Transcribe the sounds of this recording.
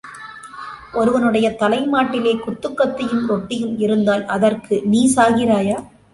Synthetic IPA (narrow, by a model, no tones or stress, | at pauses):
ʔɔɾɯʋɐnɯɽɐjɐt̪ɐlɐɪmaːʈːɪleːkʊt̪ːɯkːɐt̪ːɐjɯmɔʈːɪjɯmɪɾɯnd̪aːlɐðɐrkɯniːsaːɣɪɾaːjaː